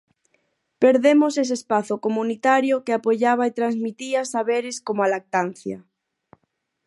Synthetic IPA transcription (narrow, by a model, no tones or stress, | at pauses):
peɾðemosesespaθokomunit̪aɾjokeapoʎaβ̞aet̪ɾanzmit̪iasaβeɾɪskomoalak̚t̪an̟θja